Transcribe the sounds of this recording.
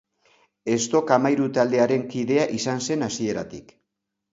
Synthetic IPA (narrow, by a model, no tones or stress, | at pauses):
e̞st̪o̞kamajɾut̪ald̪e̞aɾe̞ŋkiðe̞aʔisanse̞nasie̞ɾa̰t̪ik